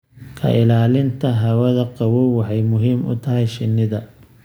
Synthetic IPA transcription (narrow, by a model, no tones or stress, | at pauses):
kʰɐ̰ʔɪlaːlɪnt̪ʰɐɦɐwɐðɐqɑwɔwɑħɑjmʊɦiːmʔʊ̰t̪ʰɐɦɛjʃɪnːɪðɐ